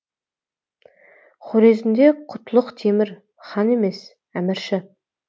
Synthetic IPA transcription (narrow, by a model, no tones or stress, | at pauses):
χʰoɾe̞zɪnd̪e̞qʰʊt̪əlˠəqt̪ʰemɪɾ | χɑne̞me̞s | æmɪɾʃɪ